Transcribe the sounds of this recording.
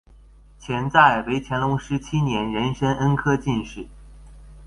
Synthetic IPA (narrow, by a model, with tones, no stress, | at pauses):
t͡ɕʰjɛ˧˥nt͡sa˥˩ɪwe˧˥ɪt͡ɕʰjɛ˧˥nlʊ˧˥ŋʂɻ̩˥t͡ɕʰi˥njɛ˧˥nɻə˧˥nʂə˥nʔə˥nkʰɤ˥t͡ɕi˥˧nʂɻ̩˥˩